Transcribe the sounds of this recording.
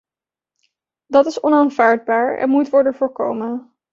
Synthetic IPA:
dɑtɪsɔnaːnvaːɹd̚baːɹɛ̰nmutʋɔɹdənvʊːɹko̰wmən

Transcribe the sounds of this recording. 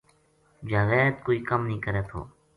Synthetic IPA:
d͡ʒaːʋeːt̪̚koːiːkəmnĩːkəɾɛːt̪ʰo̰ː

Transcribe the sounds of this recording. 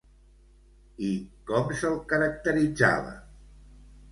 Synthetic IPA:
ikɔmsəlˠkəɾək̚t̪əɾid͡za̰βə̰

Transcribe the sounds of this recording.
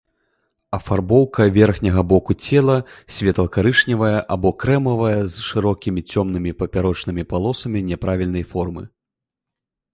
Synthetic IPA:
ɐfarbɔwkɐvʲɛrxnʲɐɣɐbɔkut͡sʲɛlˠɐsʲvʲɛt̪lˠɐkaɾɨʂnʲɛvɐjɛɐʔabɔkɾɛmɐvɐjɐzʂɨɾɔkʲimʲit͡sʲɔmn̪ɨmʲipɐpʲaɾɔt͡ʂnɨmʲipalˠɔsɐmʲinʲɛpɾavʲilʲnɐjfɔrmɨ̰

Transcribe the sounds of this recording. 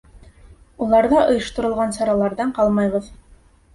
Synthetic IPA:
ulˠɑɾðɑʔɤ̆jɤ̆ʃt̪ŏɾɤ̆lˠʁɑnsɑɾɑlˠɑɾðɑɴqɑlˠmɑjβɤ̆ð

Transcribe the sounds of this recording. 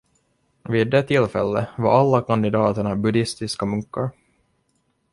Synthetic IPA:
viːd̪ːɛt̪ʰːɪlːfɛ̰lːəvaɾʔalːakʰand̪ɪd̪ɑːt̪əɳabɵd̪ɪst̪ɪskamɵŋkːaɾ

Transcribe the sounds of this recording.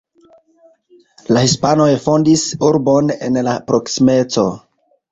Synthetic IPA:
lahispano̞jfondisuɾbo̞ne̞nlapɾo̞ksime̞t͡so̞

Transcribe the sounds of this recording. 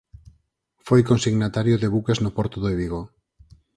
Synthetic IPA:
fojkonsiɣnat̪aɾjoðeβukeznopɔɾt̪oðoeβiɣo

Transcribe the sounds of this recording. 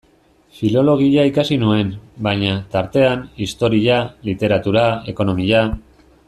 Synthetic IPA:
filo̞lo̞ɣ̞iʎaikasinue̞nbajɲat̪aɾt̪e̞anist̪o̞ɾialit̪e̞ɾat̪uɾae̞ko̞no̞miʎa

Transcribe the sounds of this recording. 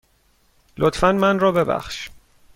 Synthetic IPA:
lot̪ʰfænmænrɒːbe̞bæ̰χʃ

